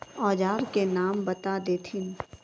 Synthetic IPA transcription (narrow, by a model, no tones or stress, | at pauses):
ɔːd͡ʒaːɾkenaːmbɐt̪ad̪eːt̪ʰɪn